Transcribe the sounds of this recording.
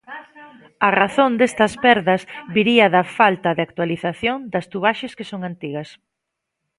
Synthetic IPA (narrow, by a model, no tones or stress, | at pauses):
ɐraθõnd̪est̪ɐspɛɾðɐzβiɾiɐðɐfalt̪ɐðɪak̚t̪waliθaθjoŋd̪ɐst̪uβaʃeskɪsoŋant̪iɣɐs